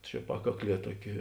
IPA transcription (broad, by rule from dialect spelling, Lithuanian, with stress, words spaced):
t͡ʃʲɛ ˈpɑːkɐkˌlʲiɛ ˈtuɔˌkʲɪ